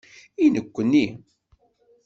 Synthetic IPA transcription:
inəkʷːənːi

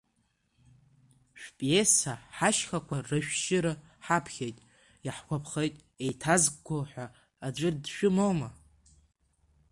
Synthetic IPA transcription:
ʃᶣpʼesaħaʃχakʷʰarɨʃᶣʃɪɾɨ | ħapʰχʲejtʼ | jaħkʷʰapʰχejtʼ | ejtʰazɡɡʷoħʷᶣaː | d͡ʒʷʼʊrdʃᶣʊmowma

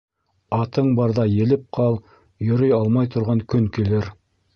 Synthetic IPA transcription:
ɑt̪ɤɴbɑɾðɑjɘ̆lɘp̚qʰɑlˠ | jɵ̆ɾɤjɑlˠmɑjt̪ʰŏɾʁɑŋkɵŋkilɘɾ

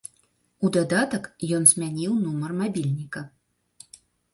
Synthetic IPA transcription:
ud̪ad̪at̪ɐkjɔnzʲmʲanʲiwnumɐrmabʲilʲnʲikɐ

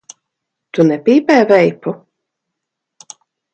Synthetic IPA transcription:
t̪unɛpiːpɛːvɛjpu

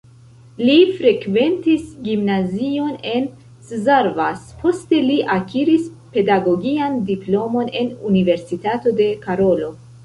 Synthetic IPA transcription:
lifɾe̞kve̞ntisɡimnazio̞ne̞n | szaɾvaspʰo̞ste̞liʔakiɾis | pe̞daɡo̞ɡiandiplo̞mo̞ne̞nunive̞ɾsitato̞de̞kaɾo̞lo̞

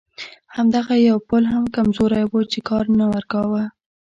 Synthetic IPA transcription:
hamd̪aɣajawpəlɦamkamzoɾajwət͡ʃekɑɾnawaɾkɑwə

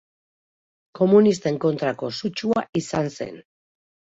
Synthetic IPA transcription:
ko̞munist̪e̞ŋko̞nt̪ɾako̞sut͡ʃuaʔisanse̞̰n

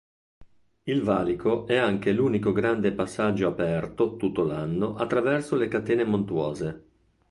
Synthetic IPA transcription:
ilvaːlikʰoʔɛaŋk̟eluːnikoɡɾand̪epasːad͡ʒːoapɛrt̪ot̪ut̪ːolanːoʔat̪ːɾavɛrsolekat̪eːnemont̪wɔːze

